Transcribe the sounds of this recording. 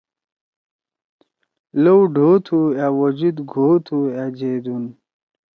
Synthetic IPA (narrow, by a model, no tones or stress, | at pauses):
lowɖʱoːt̪ʰuawod͡ʑud̪ɡʱoːt̪ʰuad͡ʑed̪un